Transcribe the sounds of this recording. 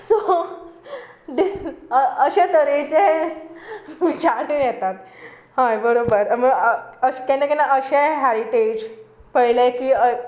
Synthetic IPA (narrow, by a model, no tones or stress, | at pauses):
so | d̪e | əɕet̪əɾet͡ɕe | ʋit͡ɕaɽujɛt̪at̪ | hãbəɾobəɾməəkɛ̃nekɛnaʔəɕeɦæɾiʈed͡ʑpəjlekiːə